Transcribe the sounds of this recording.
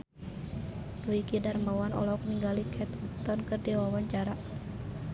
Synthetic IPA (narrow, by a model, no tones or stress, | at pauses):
duikidarmawanɔ̰lɔk̚niŋɡalikʰɛt̪ut̪ɔnkɨrdiwawaɲt͡ʃaɾa